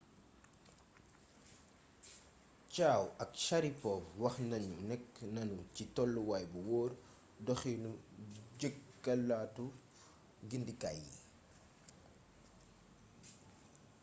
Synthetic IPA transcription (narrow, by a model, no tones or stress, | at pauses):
caːwɐkʃɐɾipɔpwɐxnɐɲunɛkːnɐnucitɔlːuwajbuwɔːr | dɔxinuɟəkːɐlːaːtu | ɡindika̰jːḭ